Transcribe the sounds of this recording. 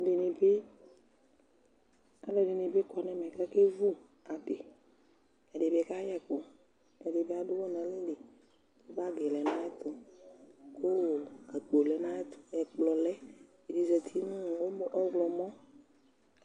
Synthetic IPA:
ɖe˨ne˨be˦ | a˨lɛ˨ɖe˨ne˨be˦kɔ˨nɛ̃˨mɛ̃˨ka˦ke˦vu˦ | a˨ɖe˨ | ɛ˨ɖe˨be˨˦ka˦jɛ˦ko˨ | ɛ˨ɖe˨be˦a˨ɖʊ˦wɔ˦nɛ̃˨le˦ɖe˨ | o˦ba˦ɡɛ˨lɛ˨nã˦ɛ˦t̪ʊ˨ | ko˦wo˨a˨k͡po˨lɛ˨nã˦ɛ˦t̪ʊ˨ɛ˨k͡plɔ˨lɛ˦ | e˨di˨zɛ˨t̪ʰi˦nũ˦˨wo˦m˦ʔɔ˦ɡlɔ˨mɔ̃˦

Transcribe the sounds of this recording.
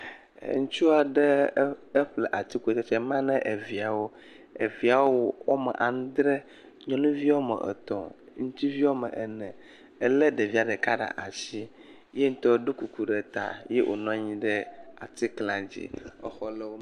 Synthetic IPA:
ŋũ˦t͡ʃu˦a˨ɖɛ˦e˦ɸlɛ˨ʔa˨t̪i˦ku˦e˨t̪e˦t͡ʃɛ˦mã˦nɛ̃˦ʔe˨vi˨a˨wo˦ | ḛ˨vi˨a˨wwo˦wo˦mɛ̰˨ʔa˨ŋ̩̃˦d̪ɾɛ˦ | ɲɔ̃˦nũ˦vi˦wo˦mɛ̰˨ʔḛ˨t̪ɔ̰˨ | ŋũ˦t̪i˦vi˦wo˦mɛ˨ʔɛ˨nɛ̃˨ | e˨le˦ɖe˨vi˦a˨ɖe˨ka˦ɖa̰˨ʔa˨si˦ | je˦ŋ̩˦t̪ɔ˦ɖo˦ku˨ku˨ɖe˨t̪a̰˨jḛ˦ʔo̰˨nɔ̃˦ɲĩ˦ɖɛ˦a̰˨t̪i˦klã˨d͡ʑḭ˦ɔ̰˦xɔ˦le˦wo˦

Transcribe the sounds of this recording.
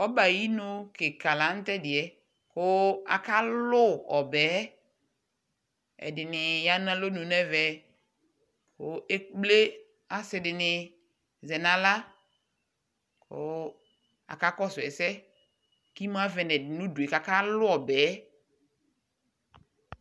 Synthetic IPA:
ɔ˦ba˨ji˦no˦ke˨ka˨la˨˦n̩˦tɛ˦dɪ˨ɛ˨ | kʊ˦a̰˨ka˦lʊ˦ɔ˨bɛ˨˦ | ɛ̰˨dɪ˨nɪ˨ja˦nã˦lo˦nũ˨nɛ˦vɛ˨ | kʊ˦e˦k͡ple˦ | a˦sɪ˨dɪ˨nɪ˨ | zɛ˨nã˨la˦ | kʊ̰˦ | a̰˨ka˦kɔ˦sʊ˨ɛ˨sɛ˦ | ki˦m˦a˦vɛ˨nɛ˨ɪ˨nʊ̃˦du˨e˨ka˨ka˦lʊ˦ɔ˨bɛ˨˦

